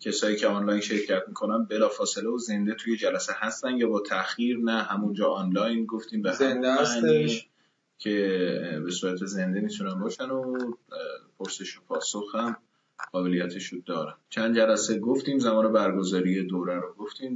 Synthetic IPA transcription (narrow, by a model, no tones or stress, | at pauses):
cʰesɒːjiːcʰeɒnlɒjnʃe̞ɾcʰæt̪mikʰo̞nænbe̞lɒːfɒːse̞leoze̞nd̪e̞t̪ʰujed͡ʒælæsehæst̪ænd̪jɒːbɒːt̪ʰæxjiːɾnæɦæmund͡ʒɒːɒnlɒːjnɡoft̪iːmvænd̪æni | cʰe̞be̞suːɾæt̪ʰe̞ze̞nd̪e̞mit̪ʰunænbɒːʃæno | pʰoɾse̞ʃopʰɒːsoxhæm | ɡ̥ɒːve̞lijæt̪ʰeʃud̪ɒːɾæn̥t͡ʃʰænd̪̚d͡ʒælæseɡoft̪iːmzæmɒːne̞bæɾɡo̞zɒːɾije̞d̪oːɾæɾoɡoft̪iːm